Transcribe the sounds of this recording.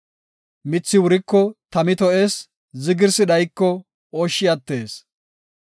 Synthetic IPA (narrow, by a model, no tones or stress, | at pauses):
mɪt͡sːɪwʊɾɪkːɔt̪ɐmɪt̪ɔʔe̞ːs | zɪɡɪɾsɪd̪ɐjkːɔ | oːʃːɪjɐt̪ːe̞ːs